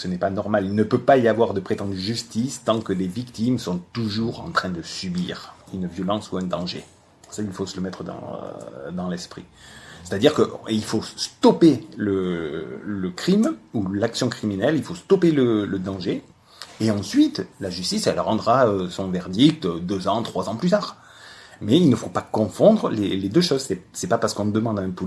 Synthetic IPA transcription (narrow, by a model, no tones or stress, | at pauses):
sənɛpanɔʁmalilnəpøpaiavwaʁd̪əpχet̪ɑ̃d̪yʒyst̪ist̪ɑ̃kəd̪evikt̪imsɔ̃t̪uʒuʁɑ̰̃t̪χɛ̃d̪əsybiʁynvjɔlɑ̃suɛ̃d̪ɑ̃ʒe | sailfosələmɛt̪χəd̪ɑ̰̃d̪ɑ̃lɛspχḭse̥t̪ad̪iʁkəʔilfost̪ɔpelə | ləkχimulaksjɔ̃kχiminɛlilfost̪ɔpelələd̪ɑ̃ʒe | eɑ̃sɥit̪laʒyst̪isɛlʁɑ̃d̪ʁaøsɔ̃vɛʁd̪ik̚t̪ød̪øzɑ̃t̪χwazɑ̃plyt̪aːʁ | mɛilnəfopakɔ̃fɔ̃d̪ʁəleled̪øʃɔzsɛsɛpapaʁsə̥kɔ̃d̪əmɑ̃d̪ɛ̃pu